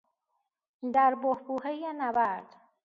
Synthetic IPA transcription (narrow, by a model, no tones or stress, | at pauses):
d̪æɾbohbuːɦejenæbæɾd̪̥